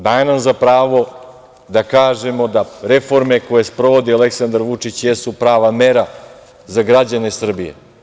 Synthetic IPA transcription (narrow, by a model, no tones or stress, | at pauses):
d̪ajenamzapɾaːʋo̞ | d̪akaːʒemo̞d̪aɾe̞fo̞ɾmeko̞je̞spɾoʋo̞d̪iale̞ksand̪aɾʋut͡ʂit͡ɕjesupɾaːʋameɾa | zaɡɾad͡ʑane̞sr̩bije̞̰